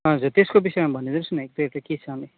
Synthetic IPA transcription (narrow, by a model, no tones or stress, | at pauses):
ɦʌd͡zurt̪eskobisʌjmãbʱʌned̪eɾusunek̚d̪ʌeʈaket͡sʰʌne